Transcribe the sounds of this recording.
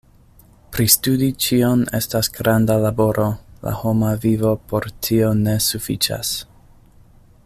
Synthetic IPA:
pɾistudit͡ʃio̞ne̞̰stasɡ̥ɾandalabo̞ɾʔo̞la̰ho̞mavivo̞pʰoɾtʰio̞ne̞sufit͡ʃa̰s

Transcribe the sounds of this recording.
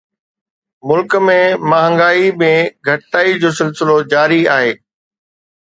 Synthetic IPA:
mʊlkmẽmaːɦə̃ŋɡaːimẽɡʱɐʈt̪aːid͡ʑoːsɪlsɪlod͡ʑaːɾiaːɦeː

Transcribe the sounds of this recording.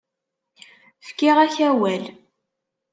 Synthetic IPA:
fkːɪʁæçæwæl

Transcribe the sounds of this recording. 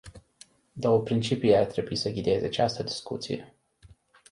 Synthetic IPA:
d̪o̞wəpɾint͡ʃipieart̪ɾe̞buisəɡʲid̪ee̞zeat͡ʃast̪əd̪iskṵt̪sḭjḛ

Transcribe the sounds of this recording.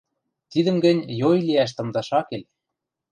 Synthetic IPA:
t̪id̪ə̆mɡɘ̆nʲjojliæʃ̬t̪ɤ̆md̪ɑʃɑkelʲ

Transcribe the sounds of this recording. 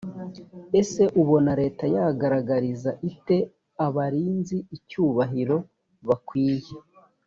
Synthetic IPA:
e̞se̞ʔuβo̞naɾe̞ːtajaɡaɾaɡaɾizaʔite̞ | aβaɾiːnziːcuːβaɦiɾo̞ | βakwiːje

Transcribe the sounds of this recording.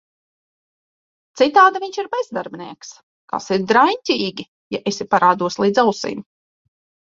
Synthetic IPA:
t̪sit̪aːd̪aviɲt͡ʃiɾbezd̪aɾbʲniɛks | ka̰siɾd̪ɾajɲʲt̪ʲiːɡʲi | jaʔesʲipaɾaːd̪uɔslˠiːd̪zawsḭːm

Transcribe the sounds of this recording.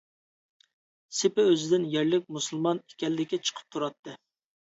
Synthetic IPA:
sɪpɪøzɪd̪ɪnjɛɾlɪk̚ʲmusɨlˠmɑne̥kʲɛlɪːɪkʲːɛt͡ʃʰə̥qʰə̥p̚t̪ʰuɾɑt̪ːɨ

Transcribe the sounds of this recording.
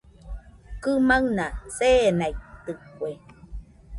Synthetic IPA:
kɨmaɨnasenait̪ɨkʷe

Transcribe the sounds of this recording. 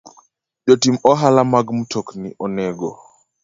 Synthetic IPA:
ʄɔtimɔɦalamaɡmutʰɔknḭʔɔnɛɡɔ

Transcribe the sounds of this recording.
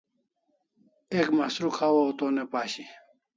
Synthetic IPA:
ekmɐsɾukʰawowt̪oːnepaːɕi

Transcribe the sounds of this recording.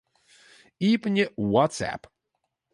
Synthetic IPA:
ipnʲɛwɔt̪sæ̰p

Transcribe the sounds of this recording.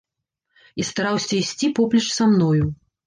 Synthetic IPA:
ist̪aɾawsʲɐisʲt͡sʲipɔplʲɛt͡ʂsamnɔju

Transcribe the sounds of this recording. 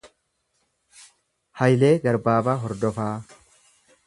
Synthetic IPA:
hɐjle̞ːɡɐɾbaːbaːɦɔɾd̪ɔfaː

